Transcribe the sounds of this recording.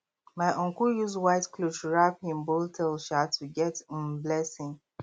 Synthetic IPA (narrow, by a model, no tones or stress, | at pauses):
maɪʔɔ̃ŋkujuzwaɪtklot͡ʃɹapɪ̃mboltʰɛlʃatːuɡɛtm̩blɛsɪ̃ŋ